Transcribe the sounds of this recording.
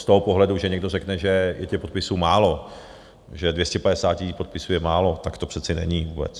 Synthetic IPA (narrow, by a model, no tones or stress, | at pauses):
st̪oɦopoɦlɛduʒɛɲɛɡ̚do̞rɛknɛʒɛjʔɛcɛpo̞t̪pɪsuːmaːlo̞ | ʒɛdvjɛscɛpadɛsaːcɪpot̪̚pɪsujɛmaːlo̞t̪akt̪o̞pr̥ɛt̪t͡sɪnɛ̰ɲivuːbɛ̰t͡s